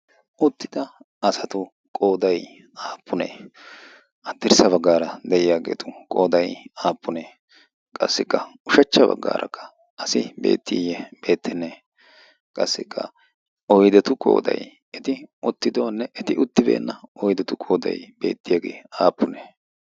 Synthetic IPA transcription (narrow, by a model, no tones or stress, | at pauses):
ʔʊt̪ːɪd̪ɐ | ɐsɐt̪ʊ | kʼo̞ːd̪ɐj | aːpʰːʊnḛː | ɐd̪ːɪɾsɐβɐɡːaːɾɐd̪ɛʔɪjaːɡe̞̰ːt̪ʊkʼoːd̪ɐjaːpʰːʊneː | kʼɐ̰sːɪkːɐʊʃɐt͡ʃːɐbɐ̰ɡːa̰ːɾʔɐ̰kʰːɐ̥ | ɐsɪbe̞̰ːt̪ːɪjɛb̥e̞ːt̪ːɛnːe | kʼɐsːɪkʰːɐ̰ | ɔjd̪ɛt̪ʊkʼo̞̰ːd̪ɐ̰j | ʔɛt̪ɪʊt̪ːɪd̪o̞ːnːɛʔːt̪ɪʔʊt̪ːɪbḛːnːɐɔjd̪ɛt̪ʊkʼoːd̪ɐ̰jb̥e̞̰ːt̪ːɪjaɡḛːaːpːʊneː